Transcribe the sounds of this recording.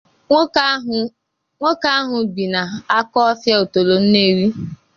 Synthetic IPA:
ŋʷo˦ka˦a˦ɦʊ˨ɡ͡bi˨na˨a˦kɔ˦ɔ˦fja˦o˨to˨lo˨n̩˦ne˦ɾi˦

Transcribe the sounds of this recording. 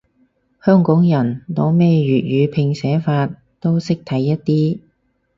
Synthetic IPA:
hœː˥ŋkɔː˨˥ŋjɐ˨˩nt̪o˨˧wmɛː˥ɥyː˨t̚ɥyː˨˧pʰɪ˧ŋsɛː˨˥faː˧t̚ | t̪o˥wsɪ˥k̚t̪ʰɐ˨˥jːɐ˥t̚t̪iː˥

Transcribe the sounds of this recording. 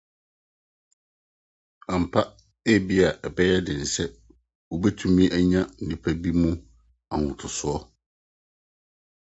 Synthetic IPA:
a˨m̩˨pʰa˦ | e˦bi˦a˨ʔɛ˨bɛ˦jɛ˦dɪ˨n̩˨sɛ˦ | wo˨bɛ˦tʰũ˦mĩ˦ʔæ˦ɲã˦n̩˨dɪ˦pʰa˦bi˦mũ˦ | a˨ŋʊ̃˨tʰʊ˨sʊ˨˦ɔ˦

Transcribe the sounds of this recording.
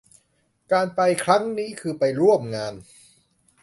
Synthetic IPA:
kaː˧npa˧jkʰɾa˦˥ŋniː˦˥kʰɯː˧pa˧jɾu˥˩əmŋaː˧n

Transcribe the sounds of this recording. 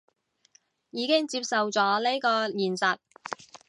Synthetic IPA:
jiː˨˧kɪ˥ŋt͡siː˧p̚sɐ˨wt͡sɔː˨˥le˥jkɔː˧jiː˨˩nsɐ˨t̚

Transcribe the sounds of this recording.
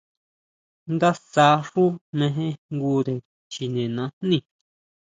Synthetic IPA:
nd̪a˦sa˧˦ʂu˦mẽ˧ɦẽ˦ŋɡu˧d̪e˨ | t͡ʃi˨nẽ˨nã˨˧nnĩ˦˨

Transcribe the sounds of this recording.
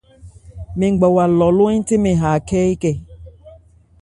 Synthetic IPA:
me˨ŋ˨ɡ͡bɔ˨wa˨lɔ˨lʊ˦ĩ˦tɪ˦me˨ɦa˨kɛː˦i˦kɛ˦˨

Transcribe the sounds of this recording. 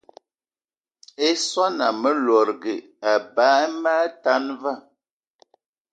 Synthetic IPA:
e˦swa˦na˨mə˦lɔ˨ɾɡe˨ | a˨baː˨˦e˦maː˦ta˦nva˦˨

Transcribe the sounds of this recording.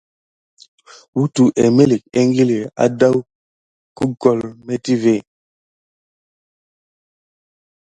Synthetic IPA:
wu˦tu˨ʔe˨me˦li˨k̚e˦ŋ˦ɡi˦li˨a̰˨˦da˦w | ku˦kɔ˨lme˦ti˦ve˦˨

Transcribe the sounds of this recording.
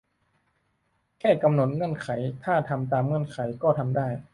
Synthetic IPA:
kʰɛː˥˩ka˧mno˧˦t̪̚ŋɤ˧˥˩nkʰa˩˦jt̪ʰaː˥˩t̪ʰa˧mt̪aː˧mŋɤ˧˥˩nkʰa˩˦jkɔː˥˩t̪ʰa˧mdaː˥˩j

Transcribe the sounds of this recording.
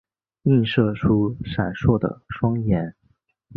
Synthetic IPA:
i˥˧nʂɤ˥˩ʈ͡ʂʰu˥ʂa˨˩nʂwɔ˥˩d̪ə̰˩ʂwɑ˥ŋjɛ˧˥n

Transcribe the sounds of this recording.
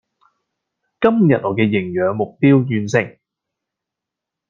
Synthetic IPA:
kɐ˥mjɐ˨t̚ɔː˨˩kɛː˧jɪ˨˩ŋjœː˨˧ŋmʊ˨k̚piː˥wjyː˧nsɪ˨˩ŋ

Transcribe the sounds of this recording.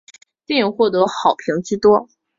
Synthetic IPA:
t̪ɛ˥˩ni˨˩ŋxwɔ˥˩t̪ɤ˧˥xɑ˨˩ʊpʰi˧˥ŋt͡ɕ̩˥t̪wɔ˥

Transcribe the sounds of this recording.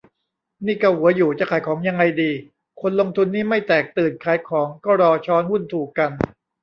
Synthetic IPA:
niː˥˩ka˥˩hu˩˦ɐjuː˨˩t͡ɕa˨˧˩kʰaː˨˦jkʰɔː˩˦ŋja˧ŋːa˧jdiː˧ | kʰo˧nlo˧ŋt̪ʰu˧nːiː˥˩ma˥˩jt̪ɛː˨˩k̚t̪ɯː˨˩nkʰaː˨˩˦jkʰɔː˩˦ŋkɔː˥˩ɾɔː˧t͡ɕʰɔː˦˥nhu˥˩nt̪ʰuː˨˩kka˧n

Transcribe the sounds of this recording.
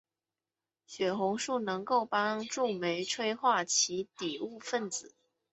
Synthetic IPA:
ɕɥɛ˨˩xʊ˧˥ŋʂu˥˩nɤ˧˥ŋko˥˩ʊpɑ˥ŋʈ͡ʂu˥˩me˧˥ɪʈ͡ʂʰwe˥ɪxwa˥˩t͡ɕʰi˧˥t̪i˨˩u˥˧fə˥˩nt͡sɹ̩˨˩˦

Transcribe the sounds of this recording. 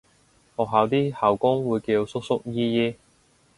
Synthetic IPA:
hɔː˨k̚ɦaː˨˧wt̪iː˥haː˨˩wkʊ˥ŋwuː˨˧jke˧jo˧wsʊ˥k̚sʊ˥k̚jiː˥jiː˥

